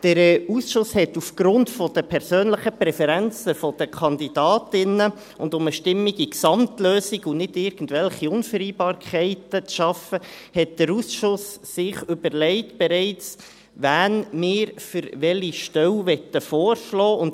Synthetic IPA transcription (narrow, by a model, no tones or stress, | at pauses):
d̥əɾɛusʃʊshɛtufɡ̥ɾʊntfɔd̥əpʰɛɾsøːnləχəpɾɛfɛɾænt͡səfɔd̥əkʰɑndid̥ɑːtɪnə | ʊndʊməʃtɪmːiɡiksɑmtløːsiɡunɪdɪɾɡ̥ən̩dvɛlχiʊnfəɾiːbɑːɾkʰχɛɪtət͡sʃɑfə | hɛt̚d̥əɾusʃʊsː | ɪχʏbəɾlɛɪtb̥ɛɾɛɪt͡s | ʋænmɪːɾfʏɾʋɛliʃtɛwʋɛtːəfoːɾʃlɔːʊnd